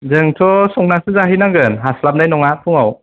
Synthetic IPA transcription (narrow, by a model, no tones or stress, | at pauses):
zɯŋtʰɔsɔŋnasɯzaɦinaŋɡɯnɦaslap̚najnɔŋapʰuŋaw